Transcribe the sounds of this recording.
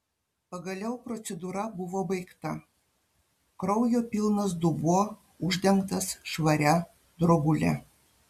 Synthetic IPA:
pɐɡɐlʲɛʊpɾot̪sʲɛd̪uːɾɐbʊʋoːbɐɪkt̪ɐ | kɾɐʊjoːpʲilˠnɐs̬d̪ubuɔ | uʒʲd̪ʲɛŋkt̪ɐsʃʋɐɾʲæ | d̪ɾoɡulʲæ̰

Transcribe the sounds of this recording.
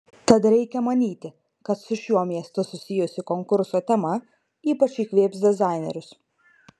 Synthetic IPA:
t̪ɐt̪ɾʲɛɪkʲɛmɐnʲiːt̪ʲɪ | kɐt̪sʊʃʲuɔmʲiɛst̪ʊsʊsʲɪjʊsʲɪkoŋkʊɾsoːt̪ʲɛmɐ | iːpɐt͡ʃiːkʋʲeːpsd̪ʲɛzɑˑɪnʲɛ̰ɾʲʊs

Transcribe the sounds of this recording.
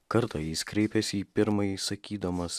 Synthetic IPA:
kɐɾt̪ɐjiːskɾʲɛɪpʲɛsʲiːpʲɪɾmɐjisɐkʲiːd̪ɐmɐs

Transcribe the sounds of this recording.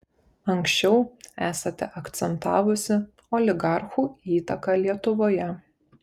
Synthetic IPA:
ɐŋʲksʲt͡ʃʲɛʊæːsɐt̪ʲɛʔɐkt̪sʲɛnt̪ɑːʋʊsʲɪ | ɔːlʲɪɡɑˑɾxuːiːt̪ɐkɑlʲiɛt̪ʊʋoːjɛ

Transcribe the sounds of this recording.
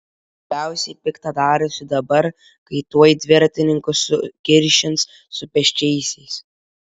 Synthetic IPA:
bʲæˑʊsʲɛɪpʲɪkt̪ɐd̪ɑːɾʊsʲɪd̪ɐbɐɾ | kɐɪt̪uɔjd̪ʲʋʲɪɾt̪ʲɪnʲɪŋkʊsʊkʲɪɾʲʃʲɪns | sʊpʲɛʃʲt͡ʃʲɛɪsʲɛɪs

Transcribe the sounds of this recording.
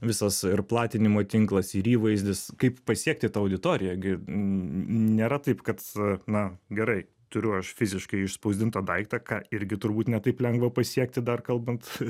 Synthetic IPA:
ʋʲɪsɐsɪrplˠɑːt̪ʲɪnʲɪmoːt̪ʲɪŋklˠɐsɪɾiːʋɐɪzʲd̪ʲɪskɐɪppɐsʲiɛk̚t̪ʲɪt̪ɑɐʊd̪ʲɪt̪oːɾʲɪjɛɡʲɪ | nʲeːɾɐt̪ɐɪpkɐt̪nɐɡʲɛɾɐɪ | t̪ʊɾʲʊɐʃfʲɪzʲɪʃkɐɪɪʃspɐʊzʲd̪ʲɪnt̪ɐd̪ɐɪkt̪ɐkɑːɪɾʲɡʲɪt̪ʊɾbuːt̪nʲɛt̪ɐɪplʲɛŋɡʋɐpɐsʲiɛk̚t̪ʲɪd̪ɐrkɐlˠbɐnt̪

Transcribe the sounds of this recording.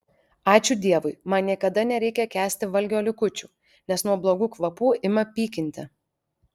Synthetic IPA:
ɑːt͡ʃʲʊd̪ʲiɛʋʊɪmɐnnʲiɛkɐd̪ɐnʲɛɾʲɛɪkʲɛkʲæːsʲt̪ʲɪʋɐlʲɡʲoːlʲɪkʊt͡ʃʲuː | nʲɛsnuɔblˠoːɡuːkʋɐpuːɪmɐpʲiːkʲɪnʲt̪ʲɪ

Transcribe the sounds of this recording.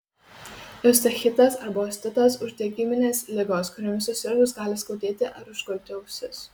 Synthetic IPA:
ɛs̬t̪ɐxʲɪt̪ɐsɐɾbɐːsʲt̪ʲɪt̪ɐsʊʒʲt̪ʲeɛɡʲɪmʲɪnʲeːslʲɪɡoːskʊɾʲoːmʲɪsʊsʲɪɾɡʊs̬ɡɑːlʲɪskɐʊd̪ʲeːt̪ʲɪʔɐɾʊʒɡɔlʲt̪ʲɪɐʊsʲʊs

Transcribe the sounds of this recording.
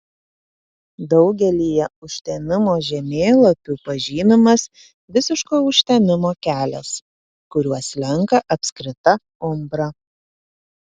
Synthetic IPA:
d̪ɒʊɡʲɛlʲiːjɛʊʃʲt̪ʲɛmʲɪmoːʒʲɛmʲeːlˠɐpʲupɐʒʲiːnʲɪmɐs | ʋʲɪsʲɪʃkoːʊʃʲt̪ʲɛmʲɪmoːkʲæːlʲɛ̰s | kʊɾʲuɔslʲɛŋkɐʔɐpʲsʲkɾʲɪt̪ɐ | ʊmbɾɐ

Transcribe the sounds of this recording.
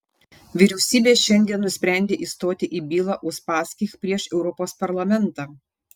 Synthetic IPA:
ʋʲɪɾʲɛʊsʲiːbʲeːʃʲɛnʲd̪ʲiɛnnʊsʲpʲɾʲæˑnʲd̪ʲeːʔiːst̪oːt̪ʲɪʔiːbʲiːlˠɑːʔʊʃpɑːsʲkʲiːxpʲɾʲiɛʃɛʊɾɔpoːspɐɾlˠɐmʲɛnˑt̪ɑː

